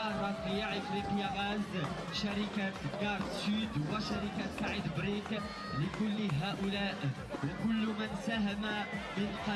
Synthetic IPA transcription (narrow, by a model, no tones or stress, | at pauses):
ɑɾˤɑt̪ɾijaʕəfɾiqəjaʔæz | ʃaɾikaɡɑɾˤd̪syd̪wəʃaɾikasaʕid̪bɾik | ləkʊlːɦaːʔʊlaːʔ | wkʊlːmansaɦɪmamənqɑ